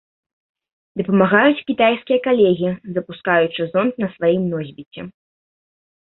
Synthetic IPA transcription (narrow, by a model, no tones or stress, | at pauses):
d̪ɐpɐmaɣajut͡sʲkʲit̪ajskʲijɐkalʲɛɣʲizɐpuskajut͡ʂɨzɔnt̪nɐsvajimnɔzʲbʲit͡sʲɛ